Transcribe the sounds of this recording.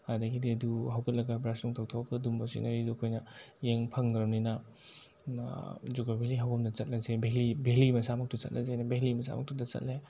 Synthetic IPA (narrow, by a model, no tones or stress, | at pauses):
hadɐɡidiɐduɦɐwkʰɐt̚lɐɡɐbɾasuŋtʰawtʰɔkdumbasḭnɐɾiduɐkʰojnɐjeŋpʰɐŋɡɾɐwninɐ | zuɡabeliɦawɐmdɐt͡ʃɐt̚lɐzebelibelimɐsamɐk̚tut͡ʃɐ̰t̚lʔɐ̰zajnɐbelimɐsa̰mɐ̰k̚tudɐt͡ʃɐ̰t̚le